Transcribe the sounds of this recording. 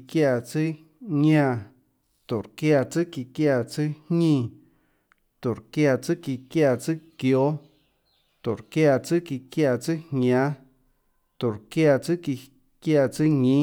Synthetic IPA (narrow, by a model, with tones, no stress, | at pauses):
kja˧˨t͡sɨ˦ | ɲã˧˨ | t̪o˨ɾkja˧t͡sɨ˦ki˧kja˧t͡sɨ˦hɲĩ˧˨ | t̪o˨ɾkja˧t͡sɨ˦ki˧kja˧˨t͡sɨ˦kjo˦ | t̪o˨ɾkja˧t͡sɨ˦ki˧kja˧˨t͡sɨ˦hɲã˨˦ | t̪o˨ɾkja˧t͡sɨ˦ki˧ | kja˧˨t͡sɨ˦ɲĩ˦